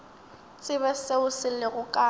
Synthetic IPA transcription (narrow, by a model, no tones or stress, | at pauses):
t͡sʼɪbɛseʊsɪlɪɣʊkʼa